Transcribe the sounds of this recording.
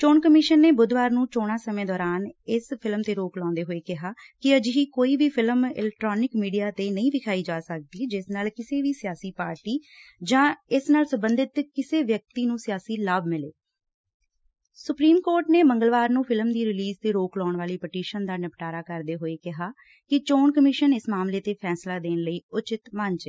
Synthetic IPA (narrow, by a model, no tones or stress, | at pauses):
t͡ʃoːnkəmɪʃənːeːbʊd̪ʋaːɾnũːt͡ʃoːɽ̃aːsəmẽːd̪ɔːɾaːnɪspʰɪlmt̪eːɾoːklɔ̃ːnd̪eːɦoːeːkɪɦaː | kɪəd͡ʒɪɦiːkoːiːbiːpʰɪləmɪ̰lɛk̚ʈɾoːnɪkmiːɖijaːt̪eːnəĩːʋɪkʰaːiːd͡ʒaːsək̚d̪iːd͡ʒɪsnaːlkɪseːʋiːsɪjaːsiːpaːɾʈiːd͡ʒãːɪsnaːlsəbənd̪ɪt̪kɪseːʋjək̚t̪iːnũːsɪjaːsiːlaːbmɪlḛː | sʊpɾiːmkoːɾʈneːməŋɡəlʋaːɾnũːpʰɪlmd̪iːɾɪliːzt̪eːɾoːklɔːɳʋaːliːpəʈiːʃənd̪aːnəpʈaːɾaːkəɾd̪eːɦoːeːkɪɦaː | kɪt͡ʃoːnkəmɪʃənɪsmaːmleːt̪eːpʰɛːslaːd̪eːnləiːʊt͡ʃɪt̪mənt͡ʃeː